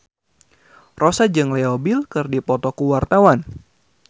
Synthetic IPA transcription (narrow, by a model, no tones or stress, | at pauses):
rosad͡ʒɨŋlɛobilkɨrdipɔt̪ɔkuwart̪awan